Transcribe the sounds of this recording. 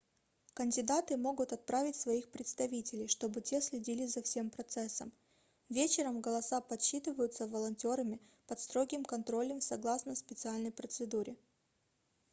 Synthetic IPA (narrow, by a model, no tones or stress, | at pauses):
kənʲdʲɪd̪at̪ɨmo̞ɡʊt̪ɐt̪̚pɾavʲɪtʲsvɐixpɾʲɪt̪st̪ɐvʲitʲɪlʲɪjʂt̪o̞bɨtʲe̞sʲlʲɪdʲilʲɪzɐfsʲe̞mpɾɐt̪sɛsːəm | vʲet͡ɕɪɾəmɡəlˠɐsapɐt̪ɕːit̪ɨvəjʊt̪səvəlˠɐnʲtʲo̞ɾəmʲɪ | pɐt̪st̪ɾo̞ɡʲɪmkɐnt̪ɾo̞lʲəmsɐɡlˠasnəspʲɪt̪sɨalʲnəjpɾət̪sɨd̪uɾʲɪ